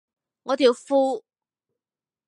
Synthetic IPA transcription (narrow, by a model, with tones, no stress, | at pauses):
ŋɔː˨˧t̪ʰiː˨˧wfuː˥